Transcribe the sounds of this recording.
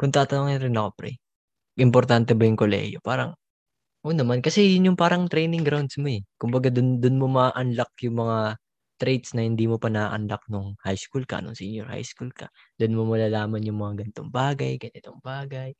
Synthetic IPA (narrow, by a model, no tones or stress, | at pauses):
kʊŋt̪aːt̪ɐnoːŋɪnɾɪnɐkopɾɛ̰j | ʔɪmpoɾt̪ant̪ɛbɐjʊŋkolɛ̰hjopaːɾɐŋ | ʔoːnɐmankɐsɛjʊnjʊŋpaːɾɐŋt̪ɾɛjnɪŋɡɾawnd̪smoɛkʊmbɐɡad̪ʊnd̪ʊnmo̞mɐʔʔɐnlɐk̚jʊŋmɐŋa | t̪ɾɛjt̪snɐhɪnd̪iːmo̞pɐnɐʔɐnlɐk̚nʊŋhajskulkɐ̰nʊŋsinjoɹha̰jskulkɐ̰ | d̪̥onmomɐlaːlaːmɐnjʊŋmɐŋaɡɐnt̪o̰ŋbaːɡɐjɡɐnɪt̪oŋbaːɡɐj